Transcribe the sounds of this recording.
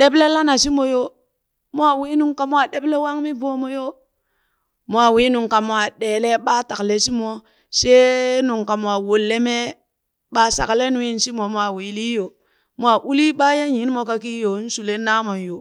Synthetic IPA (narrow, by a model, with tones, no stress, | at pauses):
ɗe˦ble˦la˦na˨si˦mo˨jo˦ | mo˦a˦˨wi˦nu˨ŋka˨m˦a˨ɗe˦ble˦wa˦ŋmi˦bo˦mo˦jo˦ | mo˨˦a˨wi˨˦nu˨ŋka˨mo˨a˨ɗe˨le˦ɓa˦ta˨kle˨si˦mo˨ | se˦nu˨ŋka˨m˨a˨wo˨lːe˦me˦ | ɓa˦sa̰˨kle˦nu˦i˦n˦si˦mo˨mwa˨wi˨li˦jo˨ | mʷ˦a˨ʔu˦li˦ɓa˦je˦ji˨˦n˦mo˨ka˦ki˦jo˨˦n̩˦su˨le˦na˦mo˨n˨jo˨